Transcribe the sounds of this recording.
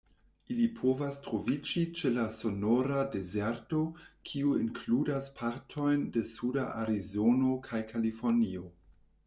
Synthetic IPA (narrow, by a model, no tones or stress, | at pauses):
ilipʰo̞vastɾo̞vid͡ʒit͡ʃe̞laso̞noɾade̞zeɾto̞kʰiuinkʰludaspʰaɾtʰo̞jnde̞sudaʔaɾizo̞no̞kʰajkʰalifo̞ɾnio̞